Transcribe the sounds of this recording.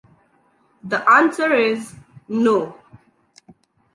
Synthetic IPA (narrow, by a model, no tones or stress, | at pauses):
ðəʔãnsəɹɪzno